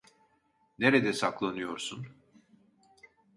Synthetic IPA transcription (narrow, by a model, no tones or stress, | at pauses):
ne̞ɾɛd̪ɛsaklˠanɯjo̞ɾsun